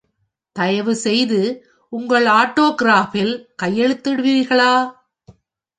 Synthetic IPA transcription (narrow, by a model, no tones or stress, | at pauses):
t̪ɐjɐʋɯsɛjðɯ | ʊŋɡɐɭaːʈːoːɡɾaːfɪlkɐjːɛɻɯt̪ːɯɽɯʋiːɪɾɣɐɭaː